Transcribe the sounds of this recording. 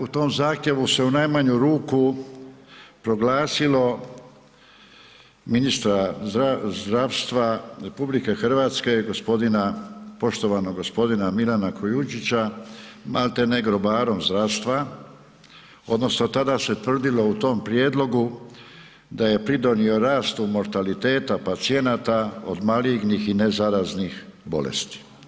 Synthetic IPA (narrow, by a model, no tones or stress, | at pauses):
ut̪o̞ːmzaːxt̪je̞ʋuse̞unajmaɲuɾuːku | pɾo̞ɡlaːsilo̞ | minist̪ɾazɾazd̪ɾaʋst̪ʋaɾe̞publike̞xr̩ʋaːt̪ske̞ɡospo̞d̪inapo̞ʃt̪o̞ʋanoɡo̞spo̞d̪inamilanakʰojut͡ʃit͡ɕamalt̪e̞neɡɾo̞baːɾo̞mzd̪ɾaʋst̪ʋa | o̞̰d̪no̞sno̞t̪ad̪ase̞t̪ʋr̩d̪ilo̞ut̪o̞mpɾje̞ːd̪lˠo̞ɡu | d̪aje̞pɾid̪o̞nio̞ɾaːst̪umo̞ɾt̪alit̪e̞ːt̪apat̪sije̞nat̪ao̰d̪maliɡnixine̞zaɾaznixbo̞̰lḛst̪i̥